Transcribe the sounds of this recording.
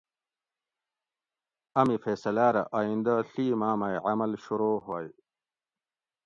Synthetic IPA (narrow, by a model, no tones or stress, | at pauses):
ɐmifeːsɐlaːɾɐ̰ʔaːind̪aɬiːmaːmajʕamɐlɕuɾoːɦwaːj